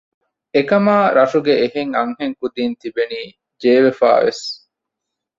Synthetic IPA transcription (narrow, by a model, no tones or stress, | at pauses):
ekɐmaːɾɐʂuɡeeɦeŋɐŋɦeŋkud̪iːnt̪ibeniː | d͡ʒeːʋefa̰ːʋḛs